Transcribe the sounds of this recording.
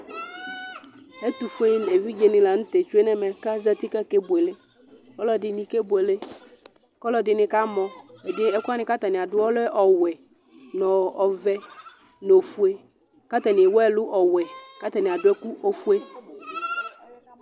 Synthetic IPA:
e˦t̪u˨fe˦n˨e˨vi˦d͡ʒe˨nɪ̃˨la˨ŋ̩̃˦t̪e˨t͡ʃu˦e˦nɛ˦mɛ˨ka˦za˦t̪i˦ka˦ke˦bo˨e˨le˦ | kɔ˦lɔ˦dɪ˨nĩ˨ke˦bu˨e˨le˦ | kɔ˦lɔ˦dɪ˨nɪ̃˨ka˦mɔ̃˨e˨dɪ˦ɛ˦ku˦a˦nɪ̃˨ka˦t̪a˨nɪ̃˨a˨dʊ˦wɔ˦lɛ˦ʔɔ˨wɛ˨ | nɔ̃˨ɔ˨vɛ˦ | no˨fu˦e˦ | ka˦t̪ɛ˨nɪ̃˨wɔ˦ɛ˦˨lʊ˦ʔɔ˨wɛ˨ka˦t̪a˨nɪ˨a˨dʊ˦ɛ˦ku˦o˦fu˦e˦

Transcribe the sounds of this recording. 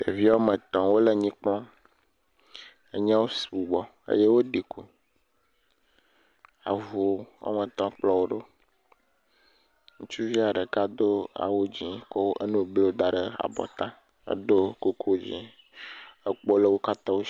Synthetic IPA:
d̪e˨vi˦wo˦mə˨t̪ɔ̃˨wo˦le˦ɲĩ˦k͡plɔ̃˦ | e˦ɲã˦wo˦si̥˨bu˨ɡ͡bɔ˨ | ḛ˦je˦wo˦ɖi˨kʰu˦ | a̰˨vo˨˦wo̰˦mə˨t̪ɔ̃˦k͡plɔ˦wo˦ɖo˦ | ŋũ˦t͡ʃu˦vi˦a˨ɖə˨ka˦d̪o˦a̰˨wo˦d͡ʑĩ˨kɔ˦wʔe˦nũ˦˨ble˦d̪a˦ɖə˨a̰˨bɔ̰˨t̪ã˦ | ḛ˦d̪o˦ko˦kʰo˦d͡ʑḭ̃˨ | e˦k͡po˦le˦wo˦ka˦t̪ɔ̃˦wo˦

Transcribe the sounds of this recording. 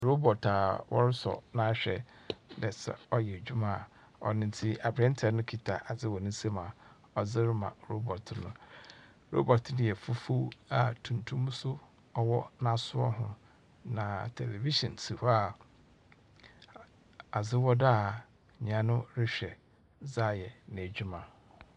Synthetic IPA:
ɾo˦bɔ˨tʰa˨wʔɔ̰˦ɾɪ˦sɔ̰˨nã˦ɕᶣɛ̰˨ | nɛ˨sɛ̰˨ɔ˦jɛ˨d͡ʑᶣu˦mã˨ | ɔ̰˨nɪ̃˦n˦tʰi˦a˨bɾɛ̃˦n˦tʰɛ˨˦nʊ̃˦kʰi˨tʰa˨ʔa˨d͡zɪ˦wɔ˨nɪ̃˦n˦se˦mã˨ | ɔ˨d͡zɪ˦ɾɪ˦mã̰˨ɾo˦bɔ˨tʰnʊ̃˨ | ɾo̰˦bɔ˨tʰnɪ̃˨jɛ˨fu˦fu˦a˨tʰũ˨ntʰũ˦m˦sʊ˦ | ɔ˨wɔ˦nã˨sʊ˦ɔ̰˦ɦʊ̰̃˨ | nã˨tʰɛ˨le˨vi˦sɔ̰̃˨nsʰi˨ha˨ | a˨zɪ˦wɔ˦da˦˨ | ɲ˨ã˨nʊ̃˦ɾɪ˦ɕᶣɛ˨ | za˦˨jɛ˨nɪ̃˨æ˨d͡ʑᶣu˦mã˨

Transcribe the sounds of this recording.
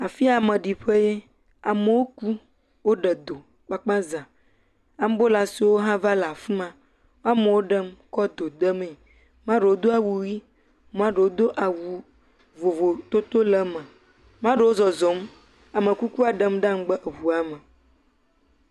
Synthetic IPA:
a˨fi˦a˨mə̃˨ɖi˨ɸe˦je˦ | a˨mə˨wo˦ku˦ | wo˦ɖə˨d̪o˨ | k͡pa˦k͡pa˦zã˨ | a˨˦m˦bo˦la˨si˨wo˦ɦã˦va˦la˨fi˦mã˦ | a˦mə̃˨wo˦ɖə˦mkɔ˦d̪o˨d̪ə˦me˨ | mã˦ɖe˨wo˦d̪o˦a˨wu˨wi˦ | mã˦ɖe˨wo˦d̪o˦ʔa˨wu˨ | vo˨vo˨t̪o˦t̪o˦lə˦mə̃˨ | mã˦ɖe˨wo˦zɔ˨zɔ˨˦m | a˨mə̃˨ku˦ku˦a˨ɖə˦mɖã˦m˦ɡ͡bə˦ʔe˨wu˨a˨mə˨

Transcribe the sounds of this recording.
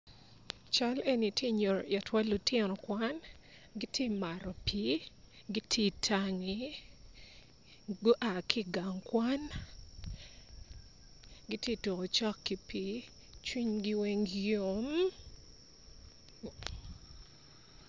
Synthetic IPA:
t͡ʃa˦le˦ni˨tʰje˦ɲo˨ɾɔ˨ja˨twa˦lu˨tɛ˦nɔ˨kwa˦n | ɡi˦tje˦ma˨ɾɔ˨pi˦ | ɡi˦tʰe˦tʰa˨ŋi˨˦ | ɡo˦ʔa˨kʰɪ˦ɡa˨ŋkwa˦n | ɡi˦tje˦to˨ko˨t͡ʃɔ˦kːi˨pi˨˦ | t͡ʃwi˦ɲɡi˦we˦ŋjo˦m

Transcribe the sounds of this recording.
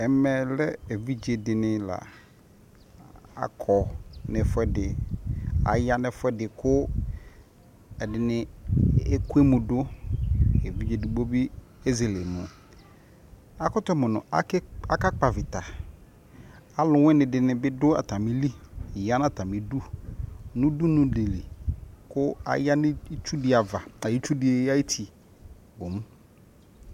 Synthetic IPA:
ɛ˨mɛ˨lɛ˦e˨vi˦d͡ʒe˨dɪ˨nɪ̃˨la̰˨ | a̰˨kʰɔ˨nɪ̃˨fʊ˦ɛ˦dɪ˨ | a̰˨ja˦nɪ˨fʊ˦ɛ˦dɪ˨kʰʊ˦ | ɛ˨dɪ˨nɪ̃˨e˦ku˦e˦mʊ̃˨dʊ˦ | e˨vi˦d͡ʒe˨dɪ˨ɡ͡bo˦bi˦ | e˦ze˨le˨mʊ̃˨ | a˨kʊ˦tʊ˦mʊ̃˨nʊ̰̃˨a̰˦a˨ka˦k͡pa˨vɪ˨ta˨ | a˨lʊ˨wɛ̃˦nɪ̃˨dɪ˨nɪ̃˨bɪ˦dʊ˦a̰˨ta˨mɪ̃˦li˦˨ja˦n˦a˨ta˨mɪ̃˨du˦ | nʊ̃˦du˦nʊ̃˨de˨li˨kʊ˦a̰˨ja˦nɪ̃˦t͡ʃu˦dɪ˨a˨va˨a˨ji˦t͡ʃu˦dɪ˨e˨˦ja˦i˦tʰi˨ | bo˨mũ˦

